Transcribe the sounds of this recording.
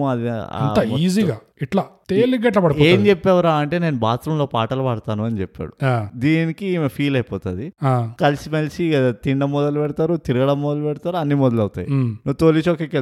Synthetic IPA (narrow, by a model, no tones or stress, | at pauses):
ɐd̪ia̰ɐ̰nːt̪aiːziːɡaː | iʈlaːt̪eːliɡɐʈ̬lɐpɐɽipɔːeːmd͡ʒepːɛːʋɾaːɐɳʈe̞ːne̞ːnubaːt̪ɾɐmlo̞ːpaːʈɐlɐpɐɽɐt̪aːnuɐnit͡ʃɛpːa̰ːɽuaːd̪iːnikimpʰiːlɐjpɔːt̪ɐd̪iaːkɐlisimɐlisiɐt̪iɳɖɐmːɔd̪ɐlupɛɽɐt̪aːɾut̪iɾuɡɐɽɐmːɔd̪ɐlupɛɽɐt̪aːɾuɐnːimɔd̪ɐlɐwut̪a̰ːjinuːt̪oːlit͡ʃokeːkel